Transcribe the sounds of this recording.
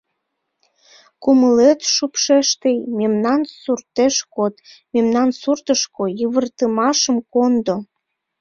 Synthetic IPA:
kuməlet̪ʃupʃeʃt̪ejmemnɑnsurt̪eʃkot̪memnɑnsurt̪əʃkojəβərt̪əmɑʃəmkond̪o

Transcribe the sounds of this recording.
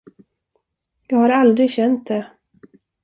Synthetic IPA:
jɑːɡhaɾald̪ɾɪɡɕɛnt̪̚d̪ɛ

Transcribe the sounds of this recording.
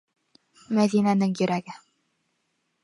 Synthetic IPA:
mæðinænɘŋjɵ̆ɾʔæɡɘ

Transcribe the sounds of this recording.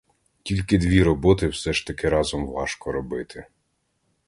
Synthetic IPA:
tʲilʲkɪd̪ʋʲiɾɔbɔt̪ɪwsɛʃt̪ɐkɪɾɑzɔmʋɑʃkɔɾɔbɪt̪ʰɪ

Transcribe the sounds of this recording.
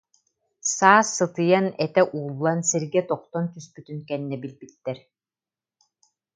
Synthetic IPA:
saːsːɯt̪ɯjanɛt̪ɛʔuːlˠːansiɾɡɛt̪ɔq̚t̪ɔnk̪yspyt̪ynkɛnːɛbilbit̪ːɛɾ

